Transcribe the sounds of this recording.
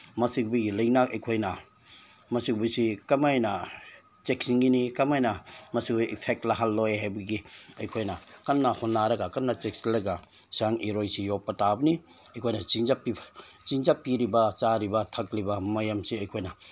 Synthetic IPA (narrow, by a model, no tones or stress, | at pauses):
mɐsik̚buɡilɐjnakɐjkʰojnɐ | mɐsikbujsikɐmajnɐ | t͡ʃek̚siŋɡinikɐmajnɐmɐsikbjipʰek̚tlaɦalːojɦajbɐɡiɐjkʰojnɐkɐnːɐhonːaɾɐɡakɐnːɐt͡ʃek̚silɐɡasiaŋiɾojsijopːɐtabɐni | ɐjkʰojnɐt͡ʃiŋzapi | t͡ʃiŋzapːiɾibɐt͡ʃaɾibɐtʰɐk̚libɐmɐjamsiɐjkʰojnɐ